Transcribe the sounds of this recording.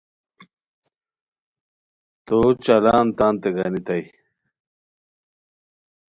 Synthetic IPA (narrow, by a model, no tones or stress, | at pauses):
t̪ot͡ɕɐlaːnt̪aːnt̪eɡanit̪ɐj